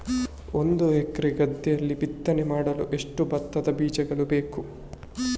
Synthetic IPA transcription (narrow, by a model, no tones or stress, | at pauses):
o̞nd̪uekɾiɡɐd̪ːijɐlːibit̪ːɐnɛmaːɽɐluʔe̞ʂʈubɐt̪ːɐd̪ɐbiːd͡ʒɛɡɐɭubeːku